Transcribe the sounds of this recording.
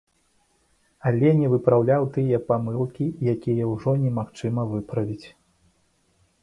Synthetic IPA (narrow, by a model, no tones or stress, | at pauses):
alʲɛnʲɛvɨpɾawlʲawt̪ɨjɐpamɨlˠkʲijakʲijɐwʐɔnʲɛmaxt͡ʂɨmɐvɨpɾɐvʲit͡sʲ